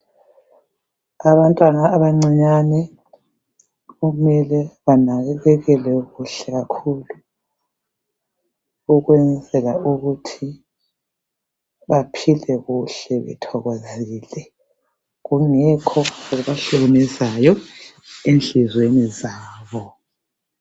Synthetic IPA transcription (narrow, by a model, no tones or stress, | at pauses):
aβantʼwanaːβaŋ͡ǀiɲanɛ | ɣumɛlɛβanaɣɛɣɛɣɛlɛɣuɬɛɣakʰuːlu | uɣwɛnd͡zʱɛlauɣutʰi | βapʰilɛɣuɬɛβɛ̰tʰɔɣɔzeɣiːlɛ | ɣuŋɛkʰɔuɣuβaɬoɣnɛzajɔ | enɬizwenizaːβɔ